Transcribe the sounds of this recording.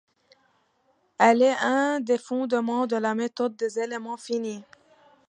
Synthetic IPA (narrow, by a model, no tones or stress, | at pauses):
ɛlɛɛ̃d̪efɔ̃d̪əmɑ̃d̪əlamet̪ɔd̪̚ːezelemɑ̃fini